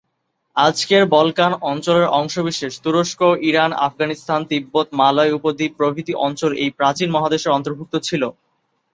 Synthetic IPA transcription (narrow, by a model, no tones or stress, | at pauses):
ad͡ʑkeɾbɔlkanɔnt͡ɕoleɾɔŋʃobiʃeʃt̪uɾoʃkoʔiɾana̰fɡanist̪ʰant̪ibːot̪malaeupod̪ʱipɾobʱit̪iʔɔnt͡ɕolejpɾat͡ɕinmɔɦad̪eʃeɾɔnt̪oɾbʱuk̚t̪ot͡ɕʰilo